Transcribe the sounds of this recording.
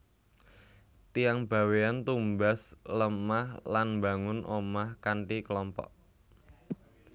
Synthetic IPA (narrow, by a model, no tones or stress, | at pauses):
t̪ijaŋb̥a̤weant̪umbasləmahlanmba̤ŋʊnʔomahkaɳʈikəlɔmpɔ̰ʔ